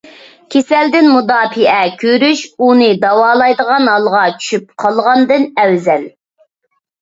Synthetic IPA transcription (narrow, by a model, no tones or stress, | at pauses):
kʲʰesɛld̪ɪnmud̪ɑːpiʔɛkʲʰøɾyʃunɨd̪ɑwɑːlˠɑjd̪əʁɑnɦɑlˠʁɑt͡ʃʰy̥ʃyp̚qʰɑlˠʁɑnd̪ɨnɛwzɛl